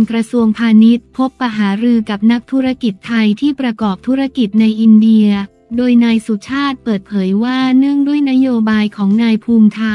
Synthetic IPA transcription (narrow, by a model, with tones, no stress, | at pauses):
nkɾa˧su˧əŋpʰaː˧ni˦˥t̪̚pʰo˦˥pːa˧ɦaː˩˦ɾɯː˧ka˨˩p̚na˦˥k̚t̪ʰu˦˥ɾa˧˥ki˨˩t̪ʰːa˧jt̪ʰiː˥˩pɾa˧kɔː˨˩p̚t̪ʰu˦˥ɾa˥˩ki˨˩t̪̚na˧jʔi˧ndi˧əɐ | doː˧jnaː˧jsu˨˩t͡ɕʰaː˥˩t̪̚pɤː˨˩t̪̚pʰɤː˩˦jwaː˥˩nɯ˥˩əŋdu˥˩əjna˦˥joː˧baː˧jkʰɔː˩˦ŋnaː˧jpʰuː˧mt̪ʰa˧